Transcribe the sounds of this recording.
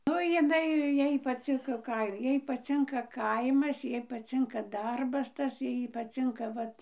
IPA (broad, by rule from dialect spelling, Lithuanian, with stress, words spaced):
ˈnʊ jɪˈnɐɪ ˈjɛɪ pɐˈt͡sʲɪŋkɐ ˈkɐɪ ˈjɛɪ pɐˈt͡sʲɪŋkɐ ˈkɐɪmɐs ˈjɛɪ pɐˈt͡sʲɪŋkɐ ˈdɐrbɐs ˈtɐs ˈjɛɪ pɐˈt͡sʲɪŋkɐ ˈʋɐt